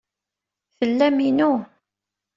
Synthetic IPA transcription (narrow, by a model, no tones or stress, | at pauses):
θəlːæminu